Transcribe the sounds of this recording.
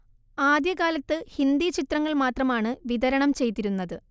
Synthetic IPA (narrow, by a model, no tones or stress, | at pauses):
aːd̪jɐkaːlɐt̪ːɨhind̪it͡ɕit̪rɐŋːɐɭmaːt̪rɐmaːɳɨʋiðɐɾɐɳɐmt͡ɕe̞jt̪ːiɾunːɐðɨ